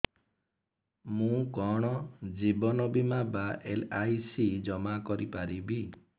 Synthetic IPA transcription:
mũkɔɽ̃ɔd͡ʒibɔnɔbimabaʔelajsid͡ʒɔmakɔɾipaɾibi

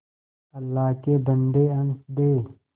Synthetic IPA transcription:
ɐlːaːkebɐɳɖeɐnsd̪eː

